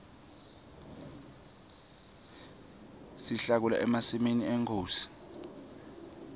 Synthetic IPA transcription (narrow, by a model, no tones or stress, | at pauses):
siɬak̬ula̰ʔɛmasiminieŋkʰoːsi̥